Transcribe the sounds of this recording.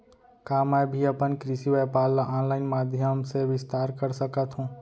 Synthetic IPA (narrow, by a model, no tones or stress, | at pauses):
kaːmɛːbʱiɐpənkɾɪʃiʋeːpaːlaʔɔːnlaːɪnmaːd̪ʱjəmseʋɪst̪aːɾkəɾsəkət̪ɦũː